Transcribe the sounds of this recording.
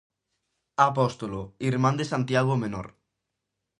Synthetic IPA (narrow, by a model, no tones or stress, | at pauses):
apɔst̪uloiɾmãnd̪esãnt̪jaɣ̞omeno̰ɾ